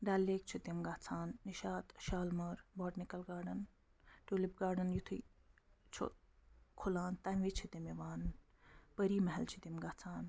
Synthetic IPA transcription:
ɖaːlːeːk̚t͡ʃʰut̪imɡaːt͡sʰaːnːiʃaːt̪ʃaːlmɐɾboːʈnikɐlɡaːɖɐn | ʈuːlip̚ɡaːɖɐnjut̪ʰi | t͡ʃʰo̰ | kʰulaːnt̪ɐmʋit͡ʃʰit̪emieʋaːn | pɐɾiːmɐɦɐlt͡ʃʰit̪imɡaːt͡sʰaːn

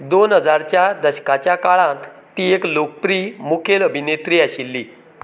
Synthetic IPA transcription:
d̪onɦəd͡zaɾt͡ɕjad̪əɕkat͡ɕjakaɭãt̪ː | ieklok̚pɾiːmukʰeləbʱinet̪ɾiːaɕilːiː

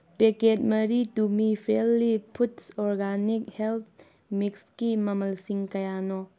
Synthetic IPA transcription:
peket̚mɐɾitumipʰɾelːipʰutsɔɾɡanik̚helt̪̚ʰ | mikskimɐmɐlsiŋkɐjanɔ

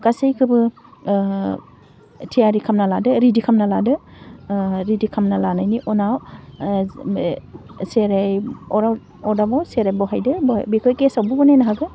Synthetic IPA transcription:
kasejkʰɯbɯ | tʰijaɾikʰamnaladɯɾidikʰamnaladɯ | ɾidikʰamnalanajniʔɔnaw | seɾejɔɾa | ɔdabawseɾajbɔɦajdɯb̰bikʰɯjkesawbɔbɔnejnaɦaɡɯ

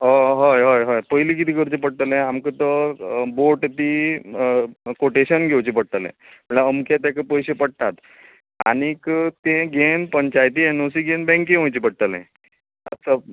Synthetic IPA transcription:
ɦɔɦəjɦəjɦəjpəjlik̬it̪ikəɾt͡ɕep̬əɽʈ̪əlẽamkət̪əboʈt̪i | koʈeɕənɡʱewt͡ɕipəɽt̪əlḛ̃ | m̤əɳlaəmkat̪jakəpəjɕepəɽt̪at̪ | a̰ɽ̃ikt̪ẽɡʱenpəɲt͡ɕajt̪ienosiɡenbɛ̃ŋkẽɦõjt͡ɕipəɽʈ̪əlɛ̰̃ | a̰sə

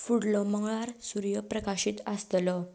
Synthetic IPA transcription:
fuɽlɔmaŋɭaɾsuɾjəpɾəkaɕit̪ast̪lɔ

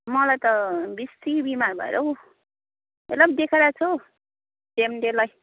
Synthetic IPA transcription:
mʌlajt̪ʌbist̪ibimarbʱʌ̰ḛɾʔʌɦw | elʌbd̪ekʰeɾat͡sʰo | demɖelaj

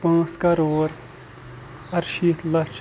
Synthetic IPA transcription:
pãːskɐɾoːɾ | ɐɾʃit̪lɐt͡ʃ

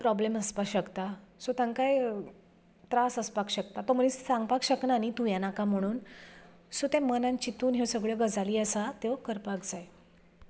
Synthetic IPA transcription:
pɾɔbleməspaɕəkt̪asot̪jãŋkaj | t̪ɾasəspakɕəkt̪at̪ɔməɭĩssãŋɡpakɕəknanit̪ujanakam̤əɽ̃uːn | sot̪ɛ̃mənãnt͡ɕit̪uːnɦewsəɡɭjeɡəd͡zaliːəsat̪eʋkəɾpakd͡zaj

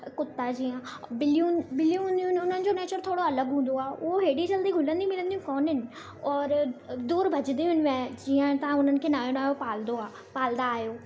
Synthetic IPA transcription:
kʊt̪ːad͡ʑiːə̃bɪlijũbɪlijũɦũːnd̪iʊnʊn̤ənɪ̆d͡ʑoneːt͡ɕəɾt̪ʰoːɽoɐləɡɦũːn̆d̪oaːʔʊɦoɦeːɽit͡ɕɐld̪iɡʱʊlə̃nd̪imɪlə̃nd̪ijũkɔːnɦɪnɪ̆ | ɔːɾd̪uːɾbʱɐd͡ʑɪnd̪iɦʊnmãd͡ʑiːə̃t̪ɐʋãʊn̤ənɪ̆kʰeːnaːjonaːjopaːld̪oaː | paːlnd̪aːɦjoː

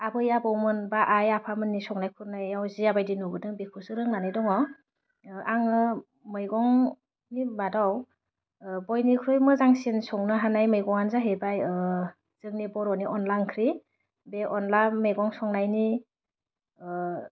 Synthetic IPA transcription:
abɯjabɔwmɯnbaʔajapʰamɯnːisɔŋnajkʰuɾnajawziabajdinubɯdɯŋbekʰusɯɾɯŋnanajdɔŋɔ | ʔaŋɯ | mɯjɡɔŋ | nibadaw | bɔjnikʰɾɯjmɯzaŋsinsɔŋnɯɦanajmɯjɡɔŋanzaɦebaj | z̥ɯŋnibɔɾɔniʔɔnlankʰɾi | beʔɔnlamejɡɔŋsɔŋnajni

